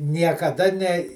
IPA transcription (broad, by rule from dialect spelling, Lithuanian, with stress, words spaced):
nʲiɛkɐˈdɐ nʲɛ